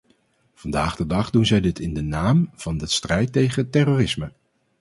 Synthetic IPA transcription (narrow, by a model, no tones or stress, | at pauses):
v̥ɑndaːχdədɑχdunzɛjdɪtɪndənaːmv̥ɑndəstrɛjtejχətɛroːrɪsmə